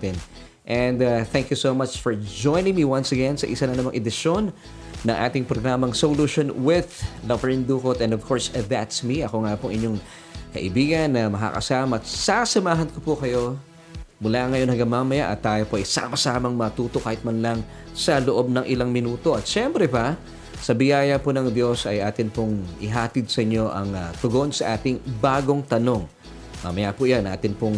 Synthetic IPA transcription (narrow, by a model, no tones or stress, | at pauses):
pɛn | ʔɛ̃nd̪ɐθɛŋkjusomɐt͡ʃfoɹd͡ʒojnɪ̃ŋmiwɐnsɐɡɛnsɐ̰ʔɪsanɐnɐmɐŋʔɛd̪ɪʃonː | ɐŋʔa̰ːt̪ɪŋpɾoɡɾaːmɐŋsoluʃonwɪðlɐvɛɹnd̪uːkot̪ɛ̃nd̪ovkʰoɹsðɐt̪smiʔɐkoŋapoŋʔɪ̰ɲo̞ŋ | kɐ̰ʔɪbiːɡɐnːɐmɐka̰kɐ̰saːmɐt̪sasɐmaːɦɐnkopukɐjo̞ | mʊlaŋɐjo̞nhɐɡɐmaːmɐjaʔɐt̪ːaːjopoʔɐjsa̰ːmɐsaːmɐŋmɐt̪uːt̪okaːhɪt̪̚mɐnlɐŋ | sɐloʔo̞b̚nɐŋʔɪlaŋmɪnuːt̪o̞ʔɐt̪̚ʃɛmpɾɛpa | sɐbɪjaːjɐponɐŋd̪jo̞sɐjʔaːt̪ɪnpoŋʔɪɦaːt̪ɪd̪̚sɐʔɪɲːo̞ʔɐ̰ŋɐt̪ʊɡo̞nsɐʔaːt̪ɪŋbaːɡo̞ŋt̪ɐno̞ŋ | ma̰mɐjapʊʔjanʔa̰ːt̪ɪnpoŋ